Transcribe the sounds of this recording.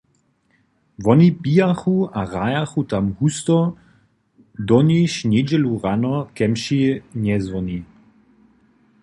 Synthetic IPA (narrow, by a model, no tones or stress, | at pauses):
ʋɔnipiːaxuaʁajaxut̪amhust̪ɔ | d̪ɔniʃned͡ʒɛluʁanɔkɛmʃinɛzʋɔni